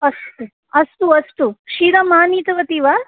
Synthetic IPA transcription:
ɐst̪u | ɐst̪uɐst̪uʃiːɾɐmaːniːt̪ɐʋɐt̪iːʋaː

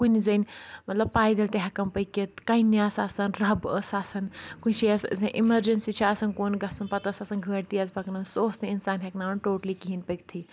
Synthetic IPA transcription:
kunizɐnmɐt̪lɐb̚paːjd̪elt̪eɦakɐmpɐjket̪kɐinjaːsaːsɐnɾɐbəsaːsɐnkunʲt͡ʃʰiɐszɐʔimɐɾd͡ʒensit͡ʃʰiasɐnkoːnɡɐsɐnpɐt̪əsaːsɐnɡʱəːɽt̪iɐzbɐknɐnsoːsniinsaːnɦeknaːnʈoːʈlikiɦinpɐk̚t̪ʰi

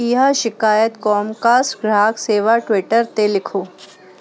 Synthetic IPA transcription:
iɦaʃɪkaːjət̪kɔːmkaːsʈɡɾaːkseːʋaʈwɪʈəɾt̪elɪkʰoː

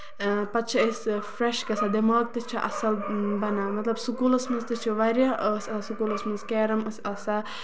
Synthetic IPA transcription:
pɐt̪t͡ʃʰɐəsʲfɾeʃɡɐsad̪emaːɡ̚t̪ɨt͡ʃʰiʔɐ̰sɐlbɐnaːmɐt̪lɐbsukuːlɐsmɐnzt̪ɨt͡ʃʰuʋaɾjaʔəsʲɐsasukuːlɐsmɐnzkɛːɾɐməsʲɐsa

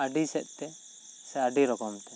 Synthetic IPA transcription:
aɖisɛʔ̚ˀt̪ɛ | sɛaɖiɾɔkɔmt̪ɛ

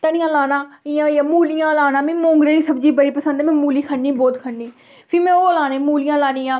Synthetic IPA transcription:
t̪ənɪjãːlaːnãːɪjãːjãːmuːlɪjãːlaːnãːmĩːmõːŋɡɾeːiːsəbd͡ʒiːbəɽiːpəsənd̪ːmɛ̃ːmuːliːkʰəniːbɔːt̪kʰəniː | pʰɪmɛ̃ːoːlaːnẽːmuːlɪjãːlaːnĩːãː

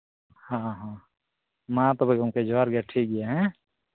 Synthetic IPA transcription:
hãɦã | mãt̪ɔbekʊmked͡ʒaɾɡɛʈʰik̚ɡɪjaɦɛ̃

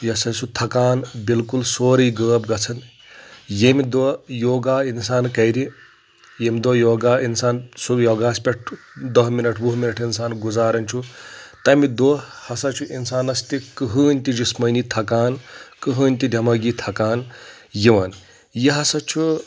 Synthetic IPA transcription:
jɐsɐt͡ʃʰut̪ʰɐkaːnbilkulsoːɾɐjɡəːb̚ɡɐt͡sʰɐn | jemid̪ojoːɡaːinsaːnkɐjɾi | jemʲd̪oːjoːɡaːinsaːnsubjoːɡaːspʲeʈʰ | d̪ɐɦminɐʈʰbuɦminɐʈʰinsaːnɡuzaːɾɐnʲt͡ʃʰut̪ɐmid̪oːhɐsɐt͡ʃʰuʔinsaːnɐst̪ikɨɦɨːnʲt̪id͡ʒismɐːnit̪ʰɐkaːnkɨɦɨːnʲt̪id̪ʲʱɐmɐɡit̪ʰɐkaːn | jiʋɐn | jiɦɐsɐt͡ʃʰu

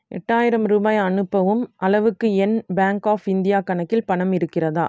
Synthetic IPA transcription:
ʔɛ̰ʈːaːjɪɾɐmɾuːbaːjɐnɯpːɐʋɯmʔɐlɐʋɯkːɯɛnbaːŋkaːfɪnd̪ɪjaːkɐɳɐkːɪlpɐɳɐmɪɾɯkːɪrɐða̰ː

